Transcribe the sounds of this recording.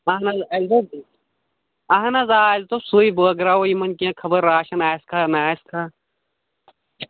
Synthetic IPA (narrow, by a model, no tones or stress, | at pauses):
ɐɦnɐzɐld̪ɐ | ɐɦɐnɐzaːzt̪osuːiboɐɡɾaːojimɐnkiãkʰɐbɐɾːaːʃɐnaːskʰanaːskʰa